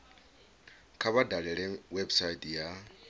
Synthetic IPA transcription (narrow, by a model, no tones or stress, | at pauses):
kʰaβadaɺɛɺɛŋwebsaitʼja